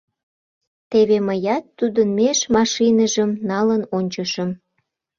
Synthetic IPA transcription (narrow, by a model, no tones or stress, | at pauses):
t̪eβeməjɑt̪ːud̪ənmeʃmɑʃinəʒəmnɑlənonʲt͡ɕəʃəm